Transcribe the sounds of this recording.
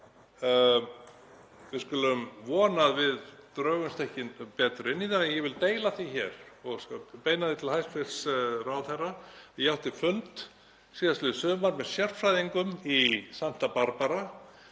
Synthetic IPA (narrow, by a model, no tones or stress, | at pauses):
vɪðskʏːlʏmvɔːnaðvɪðt̪ɾœːɣʏnst̪ʰɛhcɪnpɛːt̪ɾʏɪnːiðanɛnjɛvɪlt̪eːjlaθiçɛːɾɔɣpeːjnaðɪt̪ʰɪlhajsfɪlsraːwðθɛrajawht̪ɪfʏnt̪ | siːðast̪ʏðsœːmaɾmɛðsjɛr̥t̪fɾajðiŋkʏmisan̥t̪apaɾpaɾa